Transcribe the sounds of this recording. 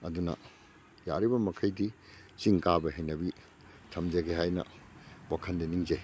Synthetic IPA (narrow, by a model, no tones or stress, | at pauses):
ɐdunɐ̰ | ja̰ɾibɐmɐkʰɐjdi | t͡ʃiŋkabɐɦejnɐbi | tʰɐmd͡ʒɐɡeɦajnɐ̰wakʰɐndiniŋze